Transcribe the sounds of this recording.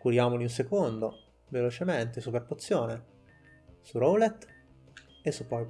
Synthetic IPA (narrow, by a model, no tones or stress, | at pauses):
kuɾjaːmoliuns̬ekond̪o | velot͡ʃement̪esuperpot̪sːjoːne | surowlet̪ | esupːɔj